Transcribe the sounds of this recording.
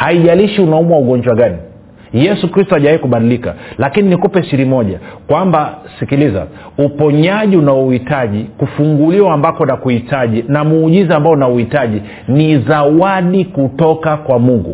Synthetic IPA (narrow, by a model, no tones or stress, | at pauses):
haiʄaliʃiunaumwauɡɔɲd͡ʒwaɡani | jɛsukɾistuaʄawaikuɓaɗilika̰lakininikupɛʃiɾimɔʄa̰kwambasikiliza̰upɔɲaʄiunauhitaʄikufuŋɡuliwaːmbakɔnakuhitaʄinamuːʄizambaɔnauhitaʄi | nizawaɗikutɔkakwamuŋɡṵ